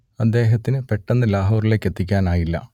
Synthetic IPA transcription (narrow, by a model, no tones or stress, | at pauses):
ɐd̪ːe̞ːɦɐt̪ːinɨpe̞ʈːenːɨlaːɦo̞ːrile̞ːkːe̞t̪ːikʲːaːnaːjilːɐ̰